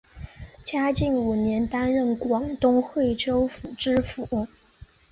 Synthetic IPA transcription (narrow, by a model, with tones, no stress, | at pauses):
t͡ɕja˥t͡ɕi˥˩nu˨˩njɛ˧˥nt̪a˥nɻə˥˩nkwɑ˨˩ŋt̪ʊ˥ŋxwe˥˩ɪʈ͡ʂo˥ʊfu˨˩ʈ͡ʂɻ̩˥fu˨˩˦